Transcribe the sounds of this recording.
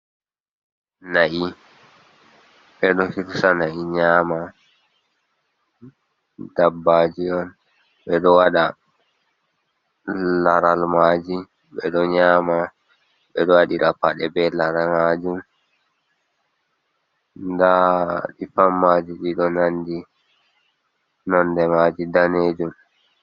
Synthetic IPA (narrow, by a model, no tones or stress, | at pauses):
naʔi | ɓɛɗɔhiɾsanaʔiɲaːma | dabːad͡ʒiɔn | ɓɛɗɔwaɗa | laɾalmad͡ʒi | ɓɛɗɔɲaːma | ɓɛɗɔwaɗiɾapaɗɛbɛlaɾamad͡ʒum | ndaɗifamːad͡ʒiɗiɗɔnandi | nɔndɛmad͡ʒidaneːd͡ʒum